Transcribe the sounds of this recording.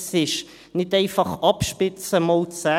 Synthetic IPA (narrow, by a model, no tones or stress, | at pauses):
sɪʃ | nɪteɪfɑχɑpʃpɪt͡səmolt͡sa